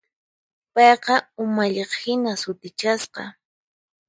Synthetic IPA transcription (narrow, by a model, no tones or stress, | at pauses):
pɑjqɑʊmaʎeχhɪnasʊt̪ɪt͡ʃasqɑ̰